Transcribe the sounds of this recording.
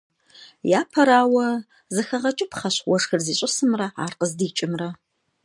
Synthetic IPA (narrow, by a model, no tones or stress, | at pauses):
jaːpʰɐɾaːwɐ | zɨxɐʁɐt͡ʃʼɪpʰχɐɕwɔʂxɨrziːɕʼɪsɨmrɐa̰ːrqəzdiːt͡ʃʼɪmrɐ